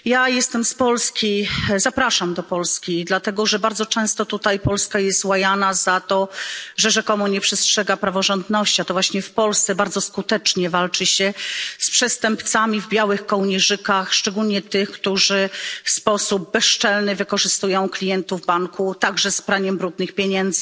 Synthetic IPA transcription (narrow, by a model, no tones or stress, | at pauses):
jajɛst̪ɛmspɔlskʲizapɾaʂamd̪ɔpɔlskʲid̪lat̪ɛɡɔʐɛbaɾd̪zɔt͡ʂɛ̃w̃st̪ɔt̪ut̪ajpɔlskajɛst̪wajanazat̪ɔʐɛʐɛkɔmuɲɛpʂɛstʂɛɡapɾavɔʐɔnd̪nɔɕt͡ɕiat̪ɔvwaɕɲɛfpɔlst̪sɛbaɾd̪zɔskut̪ɛt͡ʂɲɛvalt͡ʂɘɕɛspʂɛst̪ɛmpt̪samʲivbʲjawɘxkɔwɲɛʐɘkaxʂt͡ʂɛɡulɲɛt̪ɘxkt̪uʐɘfspɔsub̚bɛʂt͡ʂɛlnɘvɘkɔʐɘst̪ujɔ̃w̃klʲijɛnt̪uvbaŋkʰut̪aɡʐɛspɾaɲɛmbɾud̪nɘxpʲjeɲɛnd̪zɘ